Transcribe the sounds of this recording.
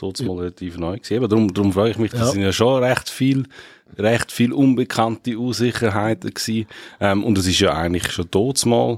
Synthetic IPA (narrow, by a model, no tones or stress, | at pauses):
tʰoːt͡smɔːlʁɛlatʰiːfnɔʏksiːebədɾʊmdɾʊmfɾœːɡɪχmɪχd̥ɑssɪnjɑʃoɾɛχtfiːl | ɾɛχtfiːlʔʊnbəkʰantiuːsɪχəɾɦaɪtəksiːʔɛmʊndɛs̬ɪʃjɑa̰ɪɡən̩tlɪχʃotoːt͡smɑ̰ːl